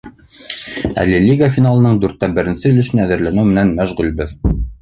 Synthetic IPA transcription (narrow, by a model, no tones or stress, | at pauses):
æ̰lɘlʲiɡafʲinalˠɤ̆nɤɴd̪ʉɾt̪ːæbɘ̆ɾɘ̆nsɘɵ̆lɘ̆ʃɘ̆næðɘ̆ɾlænɘwmɘ̆nænmæʃʁʉlbɘð